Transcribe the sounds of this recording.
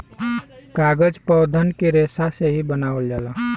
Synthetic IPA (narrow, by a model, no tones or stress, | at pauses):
kaɡəd͡ʒpɔwd̪ʱənkeɾesaseɦibənawəld͡ʒɛlə